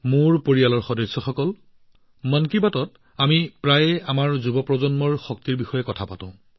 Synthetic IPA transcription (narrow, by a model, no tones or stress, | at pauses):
muɹpoɹialɔɹxɔdɔjsːɔxɔkɔl | mankibatɔt | amipɹajamaɹzubɔpɹɔzɔnmɔɹxɔk̚tiɹbixɔjɛkɔtʰapatãʊ̃